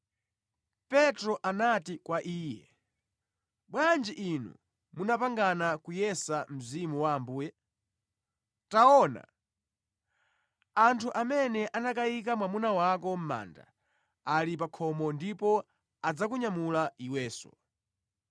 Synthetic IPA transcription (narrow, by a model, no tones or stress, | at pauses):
pɛtɾɔʔanatikwaʔiːjɛ | ɓwand͡ʒiʔinṵ | munapaŋɡanakujɛsam̩zimuwaːmbuːjɛ | taɔna̰ | antʰuʔamɛnɛʔanak̬aikamwamunawakɔm̩ma̰ːnda̰ | alipakʰɔmɔndipɔ | ad͡zakuɲamulaiwɛːsɔ̰